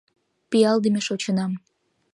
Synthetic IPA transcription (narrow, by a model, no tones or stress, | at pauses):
pijɑld̪əmeʃot͡ɕənɑm